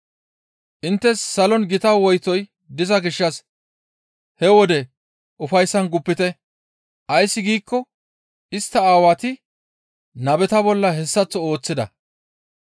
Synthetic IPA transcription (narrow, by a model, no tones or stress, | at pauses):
ʔɪnt̪ːɛsːɐlɔnɡɪt̪ɐwɔjt̪ɔj | d̪ɪzɐɡɪʃːɐs | hɛwɔd̪ɛ | ʔʊfɐjsːɐnɡʊpːɪt̪ɛ | ʔɐjsːɪɡiːkːɔ | ɪst̪ːɐaːwat̪ɪ | nɐbɛt̪ɐbɔlːɐɦɛsːɐt͡sːɔoːt͡sːɪd̪ɐ̰